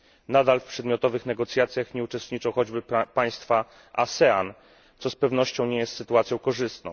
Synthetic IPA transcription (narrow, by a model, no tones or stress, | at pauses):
nad̪alfpʂɛd̪mʲjɔt̪ɔvɘxnɛɡɔt̪sʲjat̪sʲjaxɲɛut͡ʂɛst̪ɲit͡ʂɔ̃wxɔd͡ʑbɘpaj̃st̪fa | a̰sɛan | t̪sɔspɛvnɔɕt͡ɕɔ̃w̃ɲɛjɛst̪sɘt̪uat̪sʲjɔ̃w̃kɔʐɘst̪nɔ̰̃w̃